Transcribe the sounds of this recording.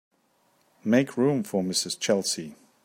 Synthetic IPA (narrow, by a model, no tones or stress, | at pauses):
meɪkʰɹũɱfəmɪsɪz̥t͡ʃʰɛlˠsi